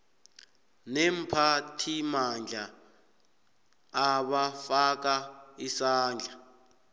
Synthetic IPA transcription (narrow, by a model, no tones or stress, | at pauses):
nem̩pʰatʰimand͡ɮʱa | ɓafak̬aisaːnd͡ɮʱa